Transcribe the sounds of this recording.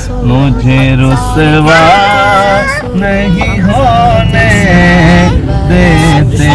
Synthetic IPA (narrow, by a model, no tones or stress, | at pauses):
mʊd͡ʒʱeɾʊsʋa | nəɦi | ɦoːne | d̪eːd̪e